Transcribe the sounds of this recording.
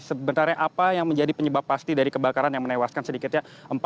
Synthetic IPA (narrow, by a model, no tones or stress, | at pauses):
səbənt̪arɲaʔapajaŋməɲd͡ʒadipəɲəbapːast̪idaɾikəbakaɾanjaŋmənewaskansədikɪt̪̚ɲaʔəmp